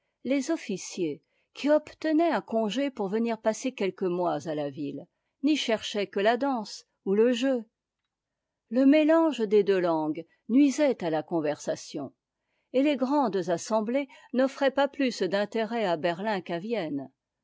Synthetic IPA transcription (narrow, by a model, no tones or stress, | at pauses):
lezɔfisje | kʲʰiɔpt̪ənɛɛ̃kɔ̃ʒepuʁvəniʁpasekʲɛlkəmwazalavil | niʃɛʁʃɛkəlad̪ɑ̃s | uləʒø | ləmelɑ̃ʒd̪ed̪ølɑ̃ɡ | nɥizɛt̪alakɔ̃vɛʁsasjɔ̰̃ | eleɡʁɑ̃d̪zasɑ̃blenɔfχɛpaplysd̪ɛ̃t̪eʁɛabɛʁlɛ̃kavjɛn